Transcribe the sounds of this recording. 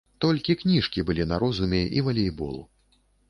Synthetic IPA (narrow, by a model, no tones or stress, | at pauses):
t̪ɔlʲkʲiknʲiʂkʲibɨlʲinaɾɔzumʲɛʔḭvɐlʲejbɔ̰lˠṵ